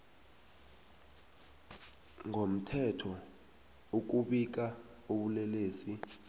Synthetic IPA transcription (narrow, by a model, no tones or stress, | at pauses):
ŋʱom̩tʰɛtʰɔ | uk̬uɓik̬a | oɓulɛleːsi